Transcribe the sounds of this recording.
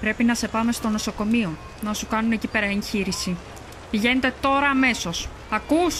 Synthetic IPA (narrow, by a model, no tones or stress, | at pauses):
pɾe̞pinɐse̞pɐme̞st̪o̞no̞so̞ko̞mio̞ | nɐsukɐnune̞cipe̞ɾɐeɲçiɾisi | piʝe̞ne̞t̪e̞t̪o̞ɾɐːme̞so̞s | ɐkus